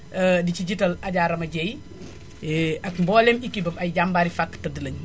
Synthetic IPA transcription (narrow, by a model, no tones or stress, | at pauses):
ədiciɟitɐlɐɟaːɾɐmɐɟɛj | ɛɐkmbɔːlɛmikːibɐmɐjɟambaːɾifakːtɐdəlɐɲ